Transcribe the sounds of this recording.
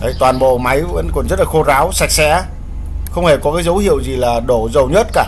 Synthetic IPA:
ʔə˨˦jt̪waː˨˩nɓo̰˧˨ma˨˦jvə̰˧˥nkɔ˨˩nzə˦˥t̚laː˨˩xo˧zaː˨˦wsa˨˩jk̚sɛ˧˥˦ | xə˧wŋ͡mhe˧˩kɔ˨˦kaː˨˦jzə˨˦whḭ˧˨əwzi˨˩laː˨˩ɗo˧˩zə˨˩wɲə˦˥t̚kaː˧˩

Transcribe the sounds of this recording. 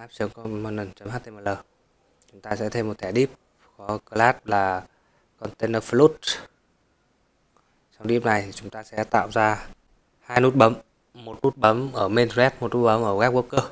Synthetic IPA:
ʔaː˦˥p̚sə˨˦ŋkɔ˧mɔ˨˧˩nə˨˩nt͡ɕə˨˦mhaː˦˥t̪ʰe˧mə˨˩ləː˨˩ | t͡ɕʊ˨˦ŋ͡mt̪aː˧sɛ̰˧˥t̪ʰe˧mːo˨˩t̪ʰɛ˧˩ɗi˦˥əp̚ | kɔ˨˦kə˧laː˦˥t̚laː˨˩ | kɔ˧nt̪e˧nəː˧flu˦˥t̚ | sa˧wŋ͡mɗi˦˥əp̚na˨˩jtʰt͡ɕʊ˨˦ŋ͡mt̪aː˧sɛ̰˧˥t̪a̰ː˧˨wzaː˧ | haː˧jnu˦˥t̚ɓə˨˦m | mo˨˩t̚nu˦˥t̚ɓə˨˦mʔəː˧˩me˧nzɛ˦˥t̚mo˨˩t̚nu˦˥ɓə˨˦mʔəː˧˩kaː˦˥k̚ku˧˥kəː˧

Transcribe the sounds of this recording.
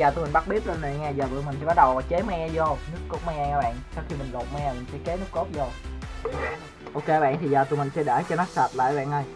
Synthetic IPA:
aː˨˩t̪jmi̟˨˩ɓa˦˥k̚ɓi˦˥ət̚laː˨˩nə˨ŋɛː˧˩zəː˨˩vəː˧˨mi̟˨˩t̪ʰḭ˧˨ɓaː˦˥ɗə˨˩wt͡ɕe˨˦mɛ˧zo˧˩wnɨ˦˥əkko˦˥t̚mɛ˧aː˧˩ɓɛ̰ː˧˨nʔsaː˧wxi˧mï˨˩ŋ̟ɗo˨˩t̚mɛ˧˨˩mï˨˩ŋ̟sɛ̰˧˥ke˨˦nɨ˦˥ko˦˥p̚zo˧˩w | ʔo˧wke˧a˧ɓɛ̰˧˨nt̪ʰi˨zəː˨˩t̪u˨˧˩mi̟˨˩sɛ̰˧˥ɗe˧˩t͡ɕɔ˧nɔ˨˦sa˨˩t̚la̰ː˧˨jɓɛ̰˧˨nə˧˩j

